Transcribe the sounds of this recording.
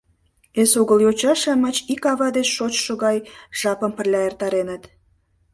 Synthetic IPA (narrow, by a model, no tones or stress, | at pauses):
esuɣəljot͡ɕɑʃɑmɑt͡ɕikɑβɑd̪et͡ɕʃot͡ɕʃoɣɑjʒ̥ɑpəmpə̆rlʲɑert̪ɑɾenət̪